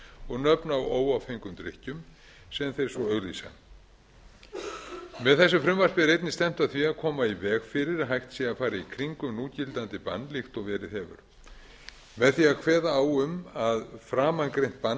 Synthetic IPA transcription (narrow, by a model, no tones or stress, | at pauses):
ɔɣnœpnawoːwawfeŋkʏmt̪ɾɪ̰hcʏm | sɛmθejɾ̥svɔœɣlḭsa̰ | mɛðθɛsːʏfɾʏmvar̥pɪðɾejt̪nɪst̪ɛm̥t̪aðθviaðkʰɔːmaivɛːɣfɪɾɪɾ̥ɦajht̪sɛɣafaːɾɪikʰɾiŋkʏmnuːcɪlt̪ant̪ɪpa̰nːlɪxt̪ɔɣvɛːɾɪðɦɛvʏ̰ɾ̥ | mɛðθiaðkʰvɛːðaːwʏmaðfɾaːmankɾejn̥t̪̚pan